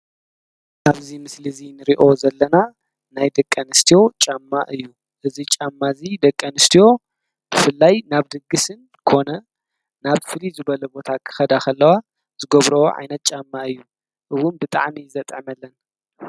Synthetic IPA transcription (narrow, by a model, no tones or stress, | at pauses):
ʔaβzimɨslɨzinɨɾiʔo̞zɐlːɐna | najd̪ɐkʼːɐnɨst̪ʰijo̞t͡ʃʼamːaʔɨjːu | ʔɨzit͡ʃʼamːazid̪ɐkʼːɐnɨst̪ʰijo̞ | b̥ɨfɨlːajnaβd̪ɨɡːɨsɨn | kʰo̞nɐ | naβfɨlizɨbɐlɐbo̞t̪ʰakʰɨ̥xɐd̪akʰɐlːɐwa | z̥ɨɡɐβɾɐwoʕa̰jnɐt̪̚t͡ʃʼamːaɨjːu | ʔɨwʊnbɨt̪ʼa̰ʕmizɐt̪ʼʕmɐlːɐn